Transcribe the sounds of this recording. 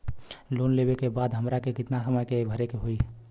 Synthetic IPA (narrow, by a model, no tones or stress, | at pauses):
lonlebekebaːd̪ɦəmɾakekɪt̪nasəməjkebʱəɾekeɦoi